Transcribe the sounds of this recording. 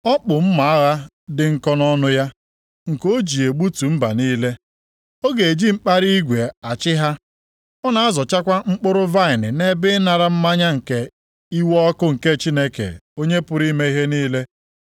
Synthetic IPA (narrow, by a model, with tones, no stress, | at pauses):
ɔ˦k͡pʊ˨m̩˦ma˨a˦ɣa˦ | dɪ˨ŋ̩˨kɔ˦nɔ˦nʊ˦ja˦ | ŋ̩˨ko˦d͡ʒi˨e˨ɡ͡bu˦tu˨m̩˦ba̰˨niː˦le˦ | o˦ɡe˨e˨d͡ʒi˦ŋ͡m̩˦k͡pa˦ɾi˦i˦ɡʷe˨a˨t͡ʃɪ˦ɦa˦ | ɔ˦na˨a˦zɔ˨t͡ʃa˦kʷa˦ŋ͡m̩˦k͡pʊ˦ɾʊ˦va˦˨ɪ˨nɪ˨ne˦bɪ˦na˨ɾa˦m̩˦ma˦ɲa˦ŋ̩˨ke˨ | i˦wɔ˦kʊ˦ŋ̩˨ke˦t͡ʃi˦ne˦kḛ˨o˦ɲe˦pʊ˦ɾi˦me˦i˦ɦe˦niː˦le˦